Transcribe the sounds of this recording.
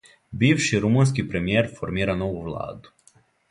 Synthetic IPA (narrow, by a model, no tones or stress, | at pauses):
biːʋʃiɾumuns̬kipɾe̞mijeɾfoɾmiːɾano̞ʋuʋlˠa̰ːd̪u̥